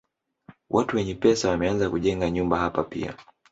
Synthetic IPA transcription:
wʔatuwɛɲɛpɛsawamɛanzakuʄɛŋɡaɲumbaɦapapḭa̰

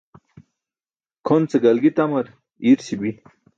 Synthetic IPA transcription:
kʰont͡seɡɐlɡit̪ɐmɐɾ | iɾsibi

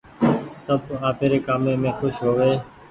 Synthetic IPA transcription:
səbaːpeːɾeːkaːmẽːmẽːxʊʃɦoːʋeː

